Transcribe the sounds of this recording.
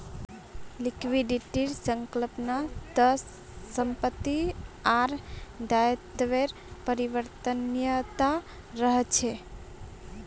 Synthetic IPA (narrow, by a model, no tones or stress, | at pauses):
likʋiɖiʈiɾsəŋkləpnat̪əsː | əmpət̪ːiaɾd̪ajət̪ʋeɾ | pəɾiʋəɾt̪ənjət̪a | ɾəɦət͡ʃʰe